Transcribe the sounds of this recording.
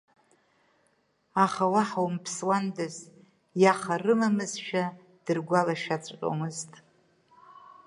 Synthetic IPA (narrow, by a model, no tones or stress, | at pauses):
aχawaħawmpʰswandɨz | jaχarɨmamɨzʃᶣa | d̥ɨrɡʷalaʃᶣat͡sʷʼqʲʷʼo̰mɨztʼ